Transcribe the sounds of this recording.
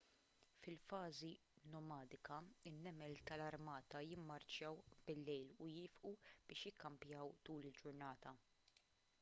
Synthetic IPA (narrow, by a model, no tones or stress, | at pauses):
fɪlfɐːzi | nɔmɐːd̪ɪkɐɪnːɛmɛlt̪ɐlɐɾmɐːt̪ɐjɪmːɐɾt͡ʃjɐwb̥ɪlːɛjlʊjɪːfʔub̥ɪːʃjɪkːɐmpjɐwt̪uːlɪld͡ʒʊɾnɐːt̪ɐ